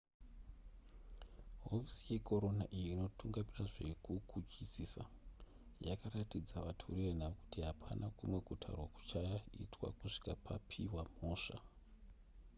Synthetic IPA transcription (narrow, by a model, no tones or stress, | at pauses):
ɦofi̥sije̞ko̞ɾo̞naʔijiino̞tuŋɡamiraʐe̞kukut͡ʃisisa̰ | jakaɾatid͡zaʋatʰo̰riʋen̤aʋoku̥tiɦapʰanʔakumwe̞ɡʱutʰa̰rwaku̥t͡ʃaḭtʰwa̰kuʂi̥kapʰa̰pʰiwamo̞ːʂa̰